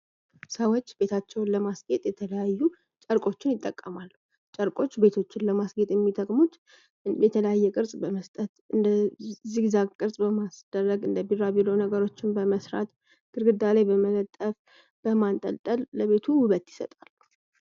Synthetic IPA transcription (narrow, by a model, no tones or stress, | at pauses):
səwot͡ʃːbe̞t̪ʰat͡ʃːɛwnləmasɡe̞t̪ʼjɛt̪ʰələjajːu | t͡ʃʼəɾkʼo̞t͡ʃːɪnjɪt̪ʼːəkʼːəmalːu | t͡ʃʼəɾkʼo̞t͡ʃːbe̞t̪ʰo̞t͡ʃːɪnləmasɡe̞t̪ʼjɛmːit̪ʼəkʼmut̪ | jɛt̪ʰələjajːɛkʼɨɾsʼbəməst̪ʼət̪ɨnd̪əzːihzakʼɨɾsʼbəmasd̪̥ərːəɡɨnd̪əbirːabilonəɡəɾo̞t͡ʃːɪnbəməsɾa̰t̪ | ɡ̥ɨɾɡɨd̪alajbəmələt̪ʼəf | b̥əmant̪ʼə̰lt̪ʼəlːəβe̞t̪ʰuhʊβət̪jɪ̥sə̰t̪ʼalːu